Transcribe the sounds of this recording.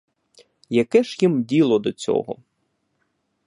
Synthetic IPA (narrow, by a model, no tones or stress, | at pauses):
jɐkɛʒjimdʲilˠɔd̪ɔt͡sʲɔ̰ɦɔ̰